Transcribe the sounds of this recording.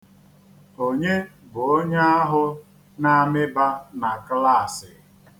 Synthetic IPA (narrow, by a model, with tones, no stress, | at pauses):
o˨ɲe˦bʊ˨o˦ɲe˦a˦ɦʊ˦ | na˦mɪ˦ba˦na˨kla˦˨sɪ˨